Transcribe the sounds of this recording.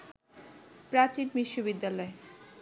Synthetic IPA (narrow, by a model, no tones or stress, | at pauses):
pɾat͡ɕinbiʃːobid̪ːalɔe